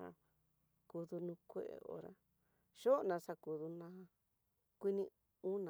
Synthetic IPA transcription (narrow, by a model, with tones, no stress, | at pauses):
a̰˧ | ku˧ðu˧nũ˧kʷḛ˦ʔḛ˧˨o̰˧ɾa̰˧ | ʃo˦˧nã˨˧sa˧ku˨ðu˧nã˧˦˧ | kʷi˦nĩ˧ | ũ˦nã˨